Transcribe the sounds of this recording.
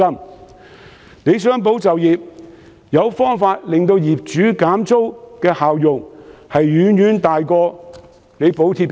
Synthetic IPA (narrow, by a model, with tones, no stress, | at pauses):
ɐ˥m | ne˨˧jsœː˥ŋp̬o˨˥wt͡sɐ˨wjiː˨p̚ | jɐ˨˧wfɔː˥ŋfaː˧t̚lɪ˨ŋt̪o˧wjiː˨p̚t͡ʃyː˨˥kaː˨˥mt͡so˥wkɛː˧haː˨wjʊ˨ŋhɐ˨jːyː˨˧˥njyː˨˥nt̪aː˨jkɔː˧ | ne˨˧jpo˨˥wt̪ʰiː˧t̚p